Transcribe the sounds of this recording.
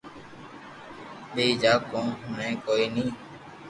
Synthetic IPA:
ɓeːd͡ʒaːkõːɦʊnɛ̃ːkoːiːnĩː

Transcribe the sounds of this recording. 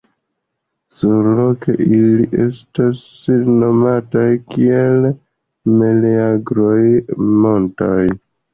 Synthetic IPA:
suɾlo̞ke̞ʔiliʔe̞̰stasno̞matajkiel | meleaɡɾo̞jmo̞ntoj

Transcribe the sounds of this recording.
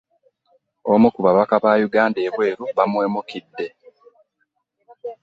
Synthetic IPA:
omukuβaβakaβaːjuɡaːnde̞ːkwe̞ːɾuβamwe̞ːmukidːe̞

